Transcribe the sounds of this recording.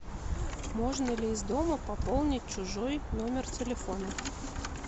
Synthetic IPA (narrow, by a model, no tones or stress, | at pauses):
moʐnəlʲɪːzd̪oməpɐpolˠnʲɪt̚ʲt͡ɕʊʐɔjnomʲɪrt̪ʲɪlʲɪfonə